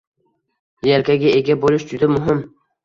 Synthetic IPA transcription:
jalkʲaɡʲaeɡʲabolɪʃd͡ʒʊd̪amʊɦɪm

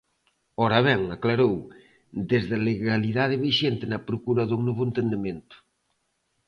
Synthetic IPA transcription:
ɔɾaβ̞ɛŋaklaɾow | d̪ezðɐleɣaliðaðɪβiʃent̪ɪnɐpɾokuɾɐðoŋnoβʊent̪end̪emẽnt̪ʊ̥

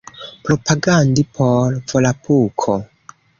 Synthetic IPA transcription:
pɾopʰaɡandipʰoɾvolapʰukʰo

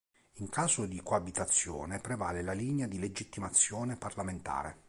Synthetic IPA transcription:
iŋkaːzod̪ikoabit̪at̪sːjɔ̰ːnepɾevaːlelaliːnead̪iled͡ʒit̪ːimat̪sːjɔːneparlament̪a̰ːɾḛ

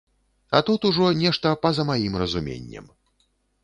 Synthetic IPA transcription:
ɐt̪ut̪uʐɔnʲɛʂt̪ɐpɐzɐmajimrɐzumʲḛnʲːɛ̰m

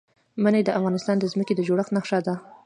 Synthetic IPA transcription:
manajd̪əʔafɣɑnɪst̪ɑnd̪əzməked̪əd͡ʒoɽəxt̪naxʂad̪a

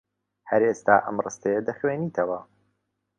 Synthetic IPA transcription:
hɐɾeːst̪aːʔɐ̰mrɨst̪ɐjɐd̪ɐχweːniːt̪ʰɐwɐ

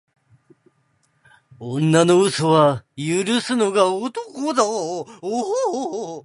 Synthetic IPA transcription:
onːanoɯsoβajɯɾɯsɨnoɡaot̪okod̪aoɦo

